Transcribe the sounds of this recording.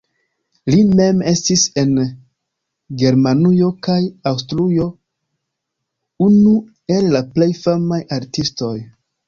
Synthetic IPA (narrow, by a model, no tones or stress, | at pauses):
lime̞me̞stise̞n | ɡe̞ɾmanujo̞kajawstɾujo̞ | unu | e̞lːaple̞jfamajaɾtisto̞j